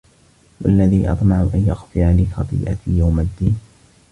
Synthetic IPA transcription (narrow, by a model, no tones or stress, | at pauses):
walːaðiːʔɑ̰t̪ˤmɑʕʊʔanjaxfɪʕalɪxɑt̪ˤḭːʔa̰jawmad̪ːiːn